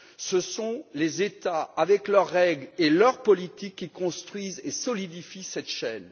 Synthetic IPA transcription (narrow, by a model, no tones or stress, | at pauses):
səsɔ̃lezet̪aavɛklœʁːɛɡlelœʁpɔlit̪ikʲːikɔ̃st̪χɥizesɔlid̪ifisɛt̪ʃɛn